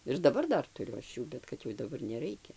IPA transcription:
ɪr dɐˈbɐr ˈdɐr tʊˈrʲʊ ˈɐʃ ˈjuː bʲɛt ˈkɐt jɛʊ dɐˈbɐr nʲɛˈrɐɪkʲɛ

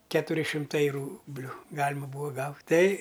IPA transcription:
ˈkʲæːtʊrʲɪ ʃʲɪmˈtɐɪ ˈruːbʲlʲʊ ˈɡɑːlʲɪmɐ ˈbuːʋɐ ˈɡɐʊtʲ tʲɛɪ

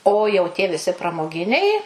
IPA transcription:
oː jɛʊ tʲiɛ ʋʲɪˈsʲɪ prɐmoːˈɡʲɪnʲɛɪ

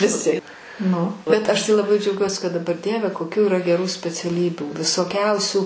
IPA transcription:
ʋʲɪˈsʲɪ nʊ bʲɛt ˈɐʃ tɐɪ lˠɐˈbɐɪ d͡ʒʲɛʊˈɡʲuɔsʲɪ kɐt dɐˈbɐr ˈdʲiɛʋʲɛ koːˈkʲuː iːˈrɐ ɡʲɛˈruː sʲpʲɛt͡sʲɛˈlʲiːbʲuː ʋʲɪsoːˈkʲɛʊsʲuː

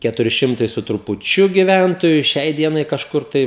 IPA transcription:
ˈkʲæːtʊrʲɪ ˈʃʲɪmtɐɪ sʊ trʊpʊˈt͡ʃʲʊ ɡʲɪˈʋʲæntoːjʊ ˈʃʲɛɪ ˈdʲiɛnɐɪ kɐʃˈkʊr tɐɪ

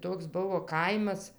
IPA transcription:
ˈtoːks ˈbʊʋoː ˈkɐɪmɐs

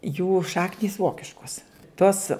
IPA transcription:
juː ˈʃɑːknʲiːs ˈʋoːkʲɪʃkoːs ˈtoːs

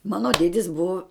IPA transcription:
ˈmɑːnoː ˈdʲeːdʲɪs ˈbʊʋoː

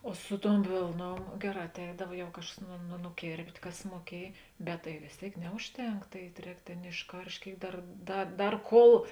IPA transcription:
oː ˈsʊ ˌtuɔm ˈʋʲeːlˠˌnuɔm ˈɡʲæːˌrɑː ɐtʲˈɛɪdɐw jɛʊ ˈkɑːʃkɐs nʊ nʊ nʊˈkʲeːrʲpʲtʲ ˈkɐs muɔˈkʲiɛj bʲɛt tɐɪ ʋʲeːs ˈtʲeːɪk ˈnʲɛʊʃʲˌtʲɛŋk ˈtɐɪ ˈrʲɛːk ˈtʲeːn ɪʃˈkɐrʲʃʲtʲ ˈkʲeːɪk ˈdɐr ˈdɐ ˈdɐr ˈkoːlˠ

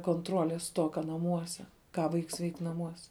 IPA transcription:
koːnˈtroːlʲeːs ˈstoːkɐ nɐˈmuɔsʲɛ ˈkɑː ˈʋɐɪks ʋʲɛɪkʲ nɐˈmuɔsʲɛ

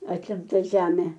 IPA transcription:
ɐtʲɪmˈtɐ ˈʒʲæːmʲeː

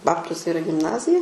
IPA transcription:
ˈbɑːptʊsʲɛ ɪˈrɐ ɡʲɪmˈnɑːzʲɪjɛ

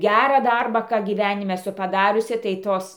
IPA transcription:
ˈɡʲærɑː ˈdɐrbɑː ˈkɑː ɡʲiːˈʋʲænʲɪmʲɛ ɛˈsʊ pɐˈdɑːrʲʊsʲɪ tɐɪ ˈtoːs

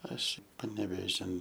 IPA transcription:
ˈɐʃ pɐnʲɛʋʲeːˈʒʲɪn

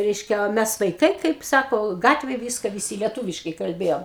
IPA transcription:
ˈrʲɛɪʃʲkʲɛ oː ˈmʲɛs ʋɐɪˈkɐɪ ˈkɐɪp ˈsɑːkoː ˈɡɑːtʲʋʲeːj ˈʋʲiːskɐ ʋʲɪˈsʲiː lʲiɛˈtuːʋʲɪʃkɐɪ kɐlʲˈbʲeːjoːm

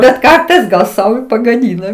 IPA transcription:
bʲɛt ˈkɐrtɐɪs ɡɐlˠ ˈsɐʊ ɪ pɐɡɐˈdʲiːnɐ

